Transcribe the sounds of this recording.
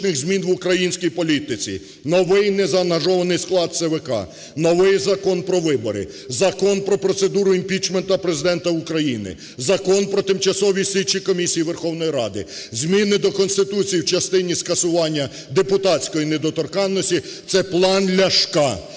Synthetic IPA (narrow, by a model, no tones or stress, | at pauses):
nɪɣzʲmʲinʋʊkɾɐjinʲsʲkijpɔlʲit̪ɪt͡sʲḭ | nɔʋɪjnɛzɐɐnɐʒɔʋɐnɪjsklˠɑd̪̚sɛʋɛkɑ̰ | nɔʋɪjzɐkɔnpɾɔʋɪbɔɾɪ̰ | zɐkɔnpɾɔpɾɔt̪se̞d̪uɾʊimʲpʲit͡ʃment̪ɐpɾezɪd̪ɛnt̪ɐʊkɾɐjinɪ̰ | zɐkɔnpɾɔt̪ɪmt͡ʃɐsɔʋʲisʲlʲit͡ʃikɔmʲisʲijiʋerxɔwnɔjiɾɑ̰d̪ɪ̰zʲmʲinɪd̪ɔkɔnst̪ɪt̪ut͡sʲijiwt͡ʃɐst̪ɪnʲiskɐsʊʋɑnʲːɐ | d̪epʊt̪ɑt͡sʲkɔjined̪ɔt̪ɔrkɑnːɔsʲtʲit̪sɛplˠɑnlʲɐʃkɑ